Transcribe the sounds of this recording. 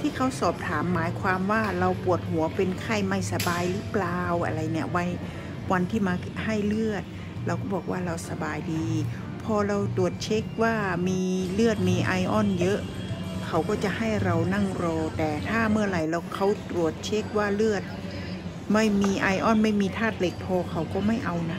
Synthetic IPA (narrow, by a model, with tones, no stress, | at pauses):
t̪ʰiː˧˥˩kʰa˦˥˩wsɔː˨˩p̚t̪ʰaː˩˦mːaː˨˦jkʰwaː˧mwaː˧˥˩ɾa˧wpu˨˩ət̪̚hu˨˩˦ɐpe˧nkʰa˧˥˩jma˧˩jsa˧baː˧jlɯ˦˥plaː˧wʔa̰˧˩ɾa˧jni˧˩ɐwa˧˩j | wa˧nt̪ʰiː˧˥˩maː˧ | ha˥˩jlɯ˥˩ət̪̚ | la˧wkɔː˧˥˩bɔː˨˩k̚waː˥˩ɾa˧wsa˧baː˧jdiː˧ | pʰɔː˧ɾa˧wt̪ɾu˨˩ət̪̚t͡ɕʰe˦˥k̚waː˧˥˩miː˧lɯ˥˩ət̪̚miː˧ʔa̰ː˧jʔɔː˥˩njɤ˦˥ʔ | kʰa˧˩wkɔː˥˩t͡ɕa˨˧˦ʔha˥˩jɾa˧wna˥˩˨ŋɾɔː˧t̪ɛː˨˩t̪ʰaː˥˩mɯ˥˩ɐla˨˩jla˧˩wkʰa˧˩wt̪ɾu˨˩ət̪̚t͡ɕʰe˦˥k̚waː˧˩lɯ˥˩ət̪̚ | ma˥˩jmiː˧ʔa˧jʔɔː˧˥˩nma˥˩jmiː˧t̪ʰaː˥˩t̪̚le˧˦˩k̚pʰɔː˧kʰa˨˩˦wkɔː˧˥˩ma˥˩jʔa˧wna˦˧˥